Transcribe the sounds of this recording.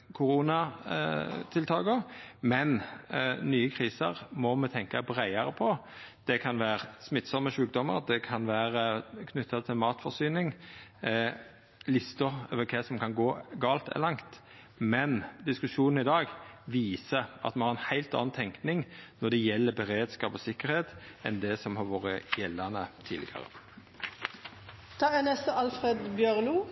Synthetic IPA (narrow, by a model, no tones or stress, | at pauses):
kʰʊɾuːnɑ | t̪ʰɪlt̪ʰɑːɡəmɛnnyːəkʰʁiːsəʁmɔmɛt̪ʰɛŋkɑbɾæɪɑɾəpʰɔ | d̪̥ɛkʰɑnʋæːʁsmɪt̪sɔmːəʃʉːk̚d̪ɔmə̰ɾd̪ɛkʰɑnʋæːʁəkʰnʉt̪ʰːɑt̪ʰɪlmɑːt̪fɔʁsyːnɪŋ | lɪst̪ʊɾøːʋəkʰɛsɔmkʰɑnɡoːɡɑːlt̪ɛ̰lɑŋt̪ | mɛnd̪ɪskʉʃuːnn̩ɪd̪ɑːɡʋiːsəʔɑ̰t̪mɛhɑɾʁɛnhæɪlt̪ɑ̰ːnt̪ʰɛŋknɪŋnɔd̪ɛjɛlːəbɛʁeːd̪skɑːpɔsɪkːəɾheːt̪ɛnd̪ɛsɔmhɑʁʋoːɾəjɛlːɑnət̪ʰiːlɪ̰ɡə̰ʁə̰ | t̪ʰɑːɛnɛst̪əɑlfʁed̪bjœʁluː